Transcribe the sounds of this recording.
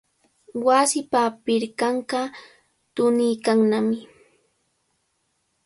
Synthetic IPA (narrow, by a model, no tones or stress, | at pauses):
wasɪpapɪɾkɑɴɢɑ | t̪ʊnɪjkaŋnamɪ